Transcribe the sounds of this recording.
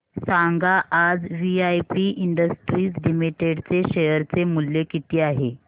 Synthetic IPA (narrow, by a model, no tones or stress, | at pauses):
saŋɡaʔad͡zʋiajpiʔiɳɖəsʈɾiːslimiʈeɽt͡seɕejəɾt͡semulːekit̪iːaɦe